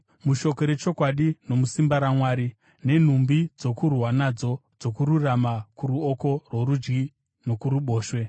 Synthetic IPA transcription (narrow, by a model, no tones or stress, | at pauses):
muʃo̞ko̞ɾe̞t͡ʃo̞kwaɗino̞musimbaɾamwaːɾi | ne̞n̤umbid͡zo̞kurwanad͡zo̞d͡zo̞kuɾuramakuɾuoko̞rwoɾud͡ʒɡi | no̞kuɾuɓo̞ːʃwe̞